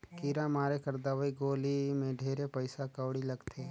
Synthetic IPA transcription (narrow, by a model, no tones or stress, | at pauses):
kiːɾamaːɾekəɾd̪aʋaiɡoːlimẽɖʱeːɾepɐɪsakəʋɽilɐɡt̪ʰe